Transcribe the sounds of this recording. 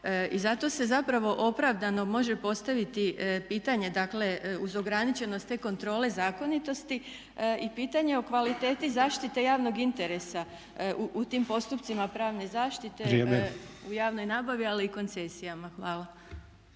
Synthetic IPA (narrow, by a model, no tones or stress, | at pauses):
izat̪o̞se̞zapɾaʋo̞ʔo̞pɾaʋd̪ano̞mo̞ʒe̞po̞st̪aʋit̪ipiːt̪aɲe̞d̪akle̞uzo̞ɡɾanit͡ɕe̞no̞st̪eko̞nt̪ɾo̞ːle̞zaːko̞nit̪o̞st̪i | ipiːt̪aɲe̞o̞kʋalit̪e̞ːt̪izaːʃt̪it̪e̞jaːʋno̞ɡint̪e̞ɾe̞sa | uʔut̪iːmpo̞st̪upt̪simapɾaːʋne̞zaːʃt̪it̪e̞eujaːʋno̞jnaːbaʋialiːko̞nt̪se̞sijamaxʋaːlˠa